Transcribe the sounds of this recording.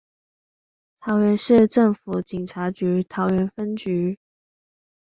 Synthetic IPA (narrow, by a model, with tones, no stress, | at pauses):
t̪ʰɑ˧˥ʊɥɛ˧˥nʂɻ̩˥˧ʈ͡ʂə˥˩ŋfu˨˩t͡ɕi˨˩ŋʈ͡ʂʰa˧˥t͡ɕy˨˥t̪ʰɑ˧˥ʊɥɛ˧˥nfə˥nt͡ɕy˨˥